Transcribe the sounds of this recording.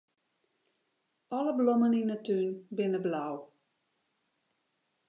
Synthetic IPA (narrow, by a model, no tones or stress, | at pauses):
ɔləblɔməninətynbɪnəblaw